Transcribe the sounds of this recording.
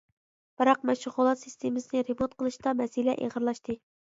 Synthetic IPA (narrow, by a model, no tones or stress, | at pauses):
b̥ɨɾɑq̚mɛʃʊʁolˠɑsɨst̪ʰemɨsɨnɪɾemont̪̚qʰəlˠɨʃt̪ɑmɛsilɛʔḛʁəɾlˠɑʃt̪ɨ